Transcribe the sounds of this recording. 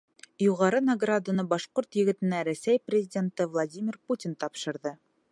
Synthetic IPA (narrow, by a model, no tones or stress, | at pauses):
juʁɑɾɤnɐɡrad̪anɤbɑʃqoɾt̪jɘ̆ɡɘ̆t̪ɘ̆næɾæsæjprʲɪzʲɪdʲe̞nt̪ɤvlˠadʲimʲɪrputʲint̪ɒpʃɤ̆ɾðɤ